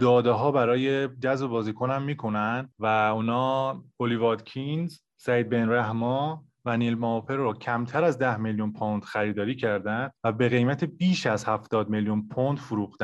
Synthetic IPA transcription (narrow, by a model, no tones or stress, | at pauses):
d̪̥ɒːd̪eɦɒːbæɾɒːje̞d͡ʒæzbobɒːziːkʰonæmːiːkʰo̞nænd̪væuːnɒːolivɒːd̪cʰinz | sæiːd̪̚benɾæɦmɒː | væniːlmɒːpʰeɾːɔːcʰæmt̪ʰæɾæzd̪æhmeljunpʰond̪̥xæɾiːd̪ɒːɾiːcʰæɾd̪ænd̪væbe̞ɣe̞jmæt̪ʰebiːʃæzhæft̪ɒːd̪meljunpʰond̪̥fuɾuːxd̪æ